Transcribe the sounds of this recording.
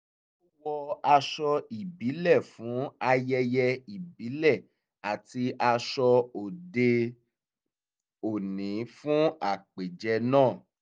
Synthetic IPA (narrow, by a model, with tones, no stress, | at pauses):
o˦wɔ˧a˧ʃɔ˧i˨bi˨˦lɛ˦˨fũ˨˦a˧jɛ˧jɛ˧i˨bi˨˦lɛ˦˨ | a˨ti˧ʔa˧ʃɔ˧o˨de˧ | o˨nĩ˨˦fũ˦a˦˨k͡pe˨d͡ʒɛ˧nãː˦˨